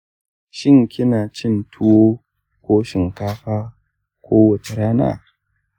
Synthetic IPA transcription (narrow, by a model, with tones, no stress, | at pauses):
ʃɪ˦ŋkʲɪ˦naː˨t͡ʃɪ˦ntʰʊ˦woː˦ | kʷoː˦ʃɪ˨ŋkaː˦ɸaː˦ | kʷʰoː˦wɐ˨t͡ʃe˨ɾaː˦na̰ː˦˨